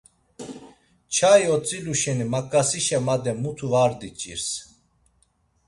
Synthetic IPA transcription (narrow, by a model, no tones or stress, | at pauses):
t͡ʃʰajɔt͡sʼiluʃɛnimakʼːasiʃɛmad̪ɛmut̪ʰuvaɾd̪it͡ʃʼḭɾs